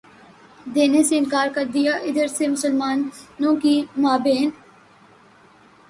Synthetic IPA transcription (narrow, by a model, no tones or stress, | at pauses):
d̪eːneseɪnkaːɾkəɾd̪ijaːʔɪd̪əɾsemʊsəlmaːnːõːkiːmaːbeːn